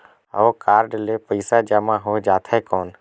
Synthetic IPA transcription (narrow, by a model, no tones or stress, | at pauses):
ɔːkaːɾɖleːpəɪsaːd͡ʒaːmãːɦoːd͡ʒaːt̪ʰeːkoːn